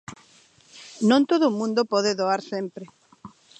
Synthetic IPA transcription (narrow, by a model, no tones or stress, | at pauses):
nõnt̪oðoːmũnd̪opɔðeðoaɾsempɾɪ